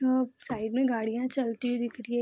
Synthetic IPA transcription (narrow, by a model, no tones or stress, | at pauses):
oːsaːɪɖmẽɡaːɽijãt͡ʃɐlt̪id̪ɪkʰɾie